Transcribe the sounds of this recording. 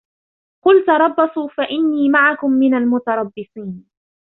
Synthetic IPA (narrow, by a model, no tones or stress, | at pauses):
qʊlt̪ɑɾˤɑbːɑsˤuːfaʔɪnːiːmaʕakʊmːɪnalmʊt̪ɑɾˤɑbːɪsˤiːn